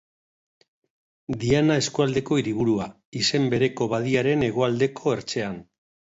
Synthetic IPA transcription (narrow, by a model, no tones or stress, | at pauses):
d̪ianae̞skuald̪e̞ko̞iɾiβ̞uɾua | ise̞mbe̞ɾe̞ko̞βað̞iaɾe̞ne̞ɣ̞o̞ald̪e̞kʰo̞e̞ɾt͡ʃe̞an